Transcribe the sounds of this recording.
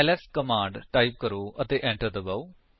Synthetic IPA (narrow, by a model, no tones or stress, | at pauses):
ɛlɛskəmãːɳɖʈaːip̚kəɾoːʔət̪eːʔɛ̃ːɳʈəɾd̪əbaoː